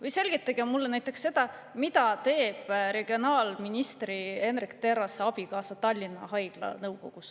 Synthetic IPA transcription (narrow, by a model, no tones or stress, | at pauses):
vɤjse̞lɡit̪ːˑɑɡ̥emmulːenæjt̪ːˑeksːe̞d̪̥ɑmid̪ɑt̪e̞ːb̥ɾe̞ɡ̥io̞nɑːlminist̪rie̞nrikt̪e̞ɾɑseɑb̥ikɑːsɑt̪ɑlʲːinːɑhɑjɡ̥lɑ̰nɤwko̞ɡ̥us